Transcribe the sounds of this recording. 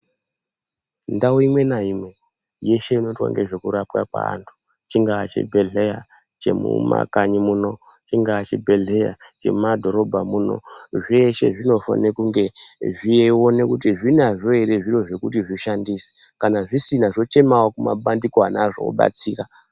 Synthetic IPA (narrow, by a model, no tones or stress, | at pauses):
ndauimwe̞naimwe̞ | je̞ʃe̞ino̞twa̰ŋɡe̞ʐe̞kuɾapkapwa̰ːntʰu̥ | t͡ʃiŋɡaːt͡ʃḛbʱeɮeja | t͡ʃe̞̰mṵma̰kaɲimuno̞ | t͡ʃiŋɡaːt͡ʃḛbʱe̞ɮeja̰t͡ʃe̞̰madʱo̞ɾo̞bʱamuno̞̰ʐeʃe̞̰ʐino̞fa̰nekuŋɡe̞ʐieo̞ne̞kutiʐinaʐo̞eɾeʐiro̞ʐe̞kutiʐiʃandise̥ | kanaʐisinaʐo̞t͡ʃe̞mawakuma̰ɓandikoanaʐoo̰ɓa̰t͡siːra